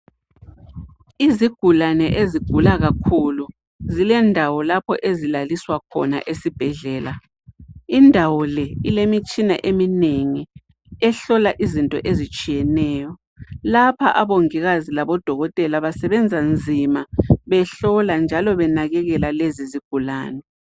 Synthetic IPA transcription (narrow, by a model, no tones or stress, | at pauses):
iziɡ̥ʱulanɛʔeziɡ̥ʱulaɣakʰulu | zilɛndʱawɔlapʰɔ̰ʔezilaliswakʰɔ̰na̰ʔesib̥ʱɛɮɛːla | indʱawɔlɛilemit͡ʃʼina̰ʔemineŋi | ɛɬɔlaʔizintʼɔ̰ʔezit͡ʃʼijɛnɛːjɔ | lapʰa̰ʔaβoŋiɣazilaβɔd̥ʱɔɣɔtʼɛlaβasɛβɛnd͡zʱand͡zʱimaβɛɬɔland͡ʒʱalɔβɛnaɣɛɣɛlaleziziɡ̥ʱulaːnɛ